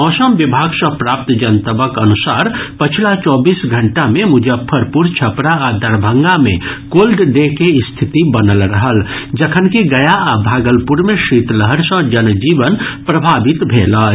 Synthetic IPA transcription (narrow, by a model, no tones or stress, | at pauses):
ɔːsəmʋɪbʱaːɡsə̃pɾaːp̚t̪d͡ʒɐnt̪əbəkɐnʊsaːɾpɐt͡ʃʰlat͡ʃɔːbiːsɡʱɐ̃ɳʈamẽmʊd͡ʒəpʰəɾpuɾt͡ʃʰɐpɾaad̪ɐɾbʱə̃ŋɡamḛ̃koːlɖɖekeɪst̪ʰɪt̪ibɐnəlɾɐɦəld͡ʒɐkʰənkiɡɐjaabʱaːɡəlpʊɾmẽʃiːt̪ləɦəɾsə̃d͡ʒənd͡ʒiːʋənpɾɐbʱaːʋɪt̪bʱeːlaː